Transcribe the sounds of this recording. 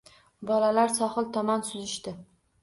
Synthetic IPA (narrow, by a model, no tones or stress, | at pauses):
bɒlalaɾsɒχɨlˠt̪ʰɒmansʊzɪʃt̪ɪ